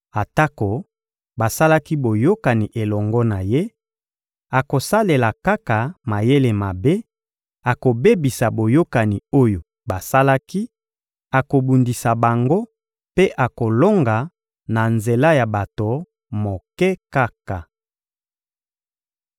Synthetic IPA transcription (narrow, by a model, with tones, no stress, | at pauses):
a˨ta˦ko˨ | ba˨sa˦la˦ki˦bo˨jo˦ka˨ni˨ʔe˨lɔ˨ŋɡɔ˦na˨je˦ | a˨ko˨sa˦le˨la˨ka˦ka˨ma˨je˦le˨ma˨be˦ | a˨ko˨be˦bi˨sa˨bo˨jo˦ka˨ni˨o˦jo˨ | ba˨sa˦la˦ki˦ | a˨ko˨bu˨ndi˨sa˨ba˨ŋɡo˦ | pe˦ʔa˨ko˨lo˦ŋɡa˨ | na˨nze˨la˦ja˨ba˨to˨ | mo˨kɛ˦ka˦ka˨